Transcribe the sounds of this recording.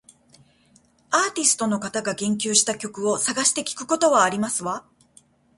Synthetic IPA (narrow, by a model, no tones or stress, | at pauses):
aːt̪ʲisɨ̥t̪o̞no̞kat̪aɡaɡẽ̞ŋk̬ʲɨːɕi̥t̪akʲo̞kɯ̟o̞saɡaɕi̥t̪e̞kʲi̥kɯ̟̥ko̞t̪o̞βaːɾʲimasɨβa